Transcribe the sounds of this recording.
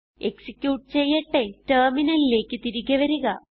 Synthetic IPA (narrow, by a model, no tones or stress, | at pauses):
e̞ksikʲjuːʈ̚t͡ɕe̞jːeʈːe̞terminɐlile̞ːkːɨt̪iɾikːɐʋɐɾuɣɐ